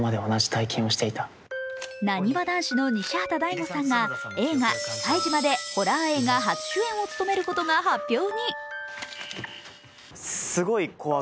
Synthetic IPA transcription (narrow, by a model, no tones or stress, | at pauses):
mad̪e̞o̞naʑi̥t̪aikʰẽɰ̃o̞ɕi̥t̪e̞it̪ḁ | naɲ̟ibad̪ãɰ̃ɕino̞ɲ̟iɕaːt̪ad̪aimosãŋɡae̞ːŋasaiʑimad̪e̞ho̞ɾaːe̞ːɡaɦat͡ɕi̥ɕɨːẽ̞ɰ̃o̞t͡sɨ̥t̪o̞me̞ɾɯ̟ko̞t̪o̞ŋaɦapʲːjo̞ːɲ̟i | sɨɡo̞iko̞βa